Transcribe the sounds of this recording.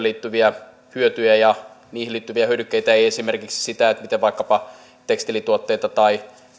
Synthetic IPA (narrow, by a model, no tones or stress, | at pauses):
liːt̪ːyʋiɑ | hyøt̪yjæjɑ | niːhiliːt̪ːyʋiæhyødykːeit̪æeiesimerkiksi̥sit̪æet̪mit̪eʋʋɑikːɑpɑ | t̪ekst̪ilit̪uot̪ːe̞it̪ɑt̪ɑi